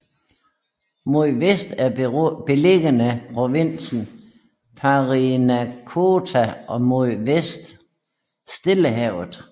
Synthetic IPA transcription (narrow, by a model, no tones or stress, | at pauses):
moðʋesd̥æɐb̥e̝leɡ̥ənəpʰʁo̝ʋen̰sn̩ | pʰɑʁinækʰot͡sʰæʔɒ̽moðʋesd̥ | sd̥e̝ləɦɛʊð̩ˠ